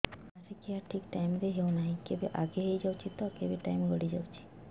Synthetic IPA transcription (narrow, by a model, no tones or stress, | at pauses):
asekeaʈʰikʈajmd̪eɦewnaɦĩkebeʔaɡeɦejd͡ʒawt͡ʃʰit̪ɔkebeʈa̰jmɡʱɔɽid͡ʒa̰wt͡ʃʰi̥